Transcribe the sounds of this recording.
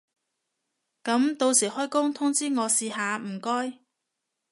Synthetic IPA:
kɐ˨˥mt̪o˧wsiː˨˩hɔː˥jkʊ˥ŋt̪ʰʊ˥ŋt͡siː˥ŋɔː˨˧siː˧haː˨˧m̩˨˩kɔː˥j

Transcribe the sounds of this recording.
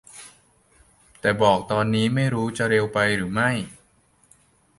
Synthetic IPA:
t̪ɛː˨˩bɔː˨˩k̚t̪ɔː˧nːiː˦˥ma˥˩jɾuː˦˥t͡ɕa˨ɾe˧wpa˧jɾɯː˩˦ma˥˩j

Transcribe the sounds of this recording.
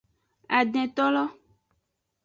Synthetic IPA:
a˨ɖɛ̃˨t̪ɔ˦lɔ˦

